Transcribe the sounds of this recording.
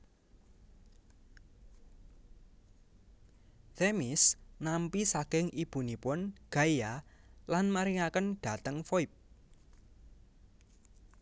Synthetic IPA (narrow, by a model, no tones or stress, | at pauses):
θemisnampisaɡ̥ɪŋʔib̥ṳnipʊnɡ̥a̤jjalanmaɾiŋakənɖ̥ä̤t̪əŋfoip̚